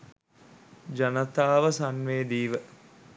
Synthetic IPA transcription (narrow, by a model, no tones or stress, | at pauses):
d͡ʒɐnɐt̪aːʋəsanʋeːd̪iːʋə